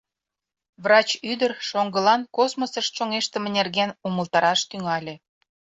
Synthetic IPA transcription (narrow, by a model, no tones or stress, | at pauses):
vrɑt͡ɕyd̪ərʃoŋɡə̆lɑnkosmosəʃt̪ʃoŋeʃt̪ə̆mĕnerɣenuməlt̪ɑɾɑʃt̪yŋɑlʲe